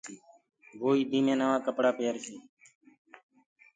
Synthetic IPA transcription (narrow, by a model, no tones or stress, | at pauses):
ɡoːiːd̪iːmẽːnəʋãːkəpɽaːpeːɾsiː